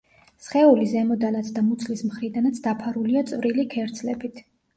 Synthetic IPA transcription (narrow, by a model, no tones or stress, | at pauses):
sχɛulizɛmɔd̪anat̪sʰd̪amut̪sʰlismχɾid̪anat̪sʰd̪apʰaɾuliat̪sʼvɾilikʰɛɾd̪sʰlɛbit̪ʰ